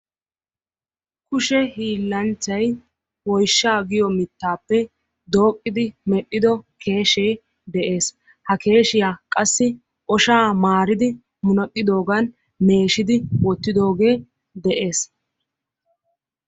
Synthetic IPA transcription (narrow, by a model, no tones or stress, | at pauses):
kʊʃɛhiːlːɐnt͡ʃːɐj | wɔjʃːaːɡɪjɔmɪt̪ːaːpːɛ | d̪o̞ːkʼːɪd̪ɪmɛɗːɪd̪ɔkʰe̞ːʃeː | d̪ɛʔe̞ːs | hɐke̞ːʃɪjaːkʼɐsːɪ | ʔɔʃaːmaːɾɪd̪ɪ | mʊnɐkʼːɪd̪o̞ːɡan | me̞ːʃɪd̪ɪwɔt̪ːɪd̪o̞ːɡe̞ː | d̪ɛʔe̞ːs